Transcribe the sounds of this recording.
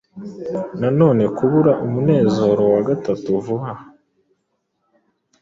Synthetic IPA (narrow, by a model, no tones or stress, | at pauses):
nano̞ːne̞kuβuɾaʔumune̞ːzo̞ɾo̞waɡatatuvuha